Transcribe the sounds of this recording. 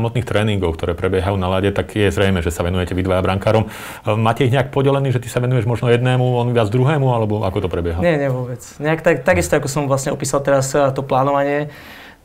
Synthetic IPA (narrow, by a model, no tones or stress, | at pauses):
amɔt̪niːxt̪ɾɛːniŋɡɔʊkt̪ɔɾɛːpɾɛbjɛɦajuːnalaɟɛt̪aɡjɛzɾɛjmɛːʒɛsaʋɛnujɛcɛʋid̪ʋajabɾaŋkaːɾɔm | maːcɛiɦɲɛak̚pɔɟɛlɛniːʒɛt̪i̥saʋɛnujɛʒmɔʒnɔjɛd̪nɛːmuɔnʋɪad͡zɡd̪ɾuɦɛːmualɛbɔʔakɔt̪ɔpɾɛbɪjɛɦaɲɪɛɲɪɛʋʊɔbɛt͡sɲɛakt̪akt̪aɡist̪ɔakɔsɔmʋlasɲɛɔpiːsalˠt̪ɛɾast̪ɔplaːnɔʋaɲɪɛ